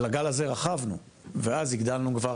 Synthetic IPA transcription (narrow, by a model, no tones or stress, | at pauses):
laɡalaze̞ʁaχavnṵ | veaziɡd̪alnukva